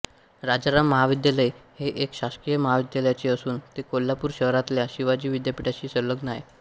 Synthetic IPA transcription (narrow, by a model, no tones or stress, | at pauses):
ɾad͡zaɾamːəɦaʋid̪jaləjheʔekɕaskijəməɦaʋid̪jaləjat͡ɕeəsuːnt̪ekolːapuːɾɕəɦɾat̪ljaɕiʋad͡ʑiːʋid̪japiʈat͡ɕiːsələɡnaj